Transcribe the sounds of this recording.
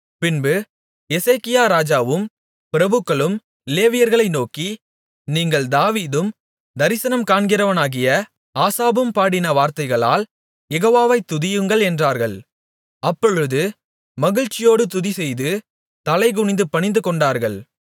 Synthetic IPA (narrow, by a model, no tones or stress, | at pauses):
pɪnbɯ | ɛseːkɪjaːɾaːd͡ʒaːʋɯm | pɪɾɐbɯkːɐɭɯm | leːʋɪjɐɾɣɐɭɐɪnoːki | niːŋɡɐɭd̪aːʋiːðɯm | d̪ɐɾɪsɐnɐmkaːɳɡɪɾɐʋɐnaːɣɪjɐ | aːsaːbɯmpaːɽɪnɐʋaːɾt̪ɐɪɣɐɭa̰ːl | jɛɣoːʋaːʋɐɪt̪ːʊðɪjɯŋɡɐɭɛndraːɾɣɐɭ | ɐpːɔɻɯðɯ | mɐɣɪɻt͡ʃːɪjoːɽɯt̪ʊðisɛjðɯ | t̪ɐlɐɪɣʊɳɪnd̪ɯpɐɳɪnd̪ɯkɔɳɖaːɾɣɐɭ